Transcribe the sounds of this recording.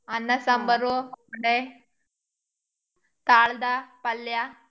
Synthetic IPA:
ɐnːɐsambəɾoɖe | t̪aɭd̪apɐlja

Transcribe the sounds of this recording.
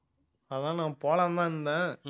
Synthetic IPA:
ɐðãːnãːpoːlɐ̃nd̪ãːɯnd̪ɛ̃ː

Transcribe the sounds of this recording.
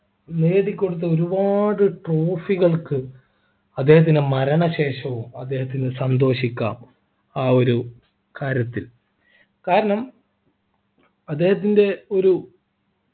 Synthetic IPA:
neːðikʲːo̞ɽut̪̬ːɐo̞ɾubaːɽɨʈro̞ːfiɣɐɭkɨ | ɐd̪ːe̞ːhɐt̪̬ːinmɐɾɐɳɐɕe̞ːʂɐʋumɐd̪ːe̞ːhɐt̪̬ːinːɨsɐnd̪o̞ːɕikʲːa̰ːm | aːo̞ɾu | kaːɾjɐt̪ːil | kaːɾɐɳɐm | ɐd̪ːe̞ːhɐt̪̬ːinde̞o̞ɾu

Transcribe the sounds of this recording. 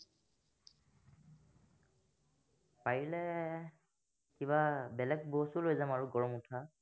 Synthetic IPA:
pajilɛ | kiβabɛlɛk̚bosulojzamaɹuɡɔɹɔmutʰa

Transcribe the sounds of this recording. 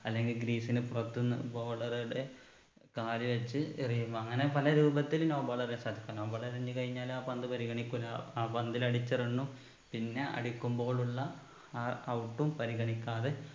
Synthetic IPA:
ɐlːe̞ŋɡilɡɾiːsinɨpurɐt̪ːunːɨboːɭɐrujuɽe̞ | kaːɾjɐʋet͡ɕːɨirijumbɐŋːɐne̞pɐlɐɾuːbɐt̪ːilno̞ːbaːɭɐrnesaːd̪ʱikʲːano̞ːbaːɭɐɾɾeɲːɨkɐɻiɲːaːlaːpɐnd̪ɨpɐɾiɣɐɳikʲːulaaːpɐnd̪ilɐɽit͡ɕːɐrɐɳːu | pinːe̞ʔɐ̰ɽikʲːumbo̞ːɭuɭːɐ | aːɐwʈːumpɐɾiɣɐɳikʲːaːðe̞

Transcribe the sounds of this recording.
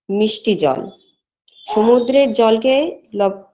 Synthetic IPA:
miʃʈid͡ʑɔ̰l | ʃomud̪ɾeɾd͡ʑɔlkelɔ

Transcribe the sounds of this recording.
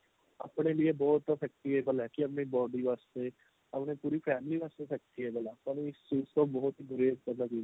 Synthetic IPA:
ɐ̰pɳeliebɔːt̪fɛk̚t̪iɦɛbəlɛkiɐpnibɔːɖiʋaːst̪e | ɐpnepuːɾipʰɛːmɪliʋaːst̪esɐk̚t̪iɦɛbɐlapɐniɪsuːst̪obɔːʊt̪ɦiɡʊɾeːzkɐɾnat͡ʃa

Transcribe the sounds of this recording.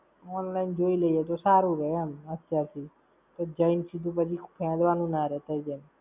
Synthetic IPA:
ɔnlaind͡ʒoiləiet̪̬osaɾũɾəamət̪jaɾt̪ʰi | t̪od͡ʒəinsid̪ʱũp̬ət͡ʃʰikʰupʰẽd̪ʋanũnaɾɛt̪əid͡ʒən

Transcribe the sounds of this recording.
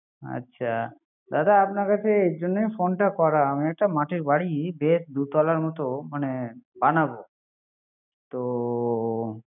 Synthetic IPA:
a̰tːɕʰa | d̪ad̪aapnaɾkat͡ɕʰeejd͡ʑonːejfonʈakɔɾaamiɛk̚ʈamaʈʰiɾbaɽibesd̪ut̪ɔlaɾmɔt̪omanebanabo | t̪o

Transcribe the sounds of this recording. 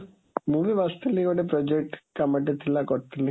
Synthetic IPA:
muʋiʋast̪ʰilikɔʈepɾɔd͡ʒek̚ʈkamaʈet̪ʰilakɔɾt̪ʰili

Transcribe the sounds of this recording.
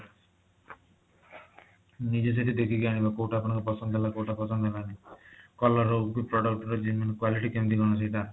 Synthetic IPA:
nid͡ʒes̬eʈid̪ekʰiɡiaɽ̃ibakowʈaːpɔɽ̃ɔ̃ŋkupɔsɔnd̪ʱɦelakowʈapɔsɔnd̪ʱelanikɔlɔɾokipɾɔɽɔk̚ʈɔɾed͡ʒiminkwaliʈikemt̪̬iɡɔɽ̃ɔt͡ʃɔjʈ̪a

